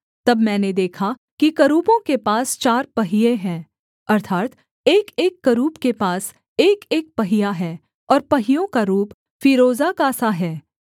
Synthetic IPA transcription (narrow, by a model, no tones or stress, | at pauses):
t̪ɐbmɛ̃ːned̪eːkʰa | kikɐɾuːpõkepaːst͡ʃaːɾpɐɦɪjeɦɛ̃ː | ɐɾt̪ʰaːt̪ | eːkeːkːɐɾuːpkepaːs | eːkeːk̚pɐɦɪjaɦɛː | ɔːɾpɐɦɪjõkaɾuːp | fiːɾoːzakasaɦɛː